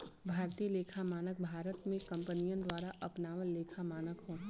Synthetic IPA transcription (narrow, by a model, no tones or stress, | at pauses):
bʱaːɾt̪iːleːkʰamaːnək̚bʱaːɾət̪mẽkɐ̃mpənijə̃d̪waːɾaʔɐpnaːʋəlːeːkʰamaːnəkɦõː